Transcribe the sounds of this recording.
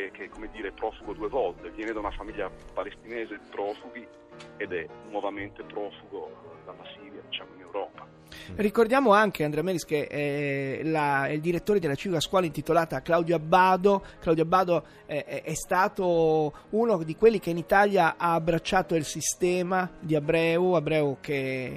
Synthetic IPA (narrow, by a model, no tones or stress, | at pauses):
kekːomed̪ːiːɾeɛpɾɔːfuɡod̪uevɔlt̪evjɛːned̪aunafamiʎːapalest̪ineːzed̪ipɾɔːfuɡi | ed̪ɛnwɔvament̪epɾɔːfuɡod̪alːasiːɾjad̪it͡ʃaːmoinewɾɔːpa | rikord̪jaːmoaŋk̟ʰeand̪ɾɛamɛːɾiskeʔɛlaɛild̪iɾet̪ːoːɾed̪elat͡ʃiːvikaskwɔːlaint̪it̪olaːt̪aklawd̪joabːaːd̪oklawd̪joabːaːd̪o | ɛɛst̪aːt̪o | unod̪ikwelːik̟einit̪aljaʔaːbɾat͡ʃːaːt̪oilsist̪ɛːmad̪iabɾɛːuabɾɛːuke